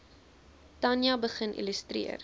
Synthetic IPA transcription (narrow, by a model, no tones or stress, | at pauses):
tɐnjɐbəχənʔḭləstrḭər